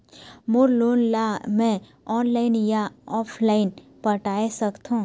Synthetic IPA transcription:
moɾloːnlamɛ̃ | ɔːnlaːɪnjaɔːpʰlaːɪnpɐʈaːesɐkt̪ɦũː

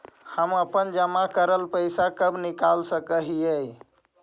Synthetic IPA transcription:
həməpənd͡ʒəmakəɾəlpəjsakəbʱnikalsə̃kəɦiəj

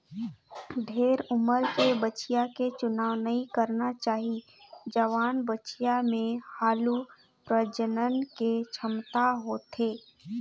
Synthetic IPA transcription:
d̪ʱeːɾʊməɾkebət͡ʃijaket͡ʃʊnaːʋnɐɦĩkəɾnat͡ʃaːɦi | d͡ʒəʋaːnbət͡ʃijamẽhaːlu | pɾəd͡ʒənənket͡ʃʰəmt̪aɦoːt̪eː

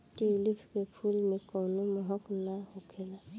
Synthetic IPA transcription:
tilipʰkepʰulmekɔwnumɔɦɔknahɔkʰɛla

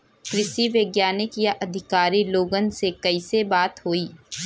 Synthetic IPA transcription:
kɾɪʃiʋeɡjaːnɪkjaʔɐd̪ʱɪkaːɾiloːɡənsekɐɪsebaːt̪ɦoːiː

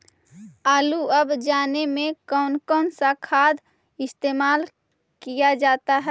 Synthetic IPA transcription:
aːluəbd͡ʒaːnemẽkɔːnkɔːnsakʰaːd̪ | ɪst̪eːmaːl | kijad͡ʒaːt̪aɦɛ

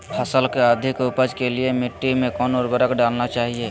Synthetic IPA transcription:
pʰəsəlkeəd̪ʱɪkʊpəd͡ʒkeliemɪʈːimẽkɔːnoːɾbəɾəkɖaːlnat͡ʃaːɦie

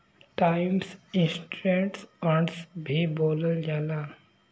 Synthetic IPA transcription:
ʈaɪmsĩnsʈuẽɳʈsɔʈsbʱiboləld͡ʒala

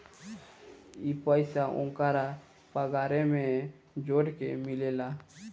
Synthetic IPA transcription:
ipəɪsaʔʊ̰̃ŋkaɾa | pəɡaːɾemẽ | d͡ʒoːɽkemɪlela

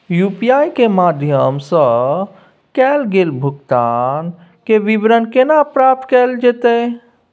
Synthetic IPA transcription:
jupijajkemaːd̪ʱjəmsə̃ | kɛːlɡeːlbʱʊɡt̪aːn | keʋibɾənkenapɾaːp̚t̪kɛːld͡ʒet̪e

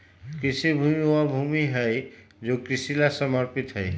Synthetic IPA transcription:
kɾɪsibʱuːmioabʱuːmiɦɛe | d͡ʒoːkɾɪsilasəməɾpɪt̪ɦɛe

